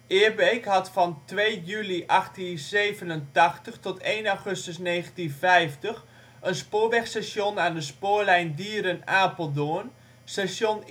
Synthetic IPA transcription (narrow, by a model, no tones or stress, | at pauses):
ʔɪːɹbejkɦɑtfɑntʋejjyliʔɑχtinzeːvənəntɑχtəχtɔtʰejnaχɵstəsnejχəntinfɛjftəx | ənspʊːɹʋɛχsɛsjonaːndəspʊːɹlɛjndiːɾənaːpəlˠdoən | sɛsjon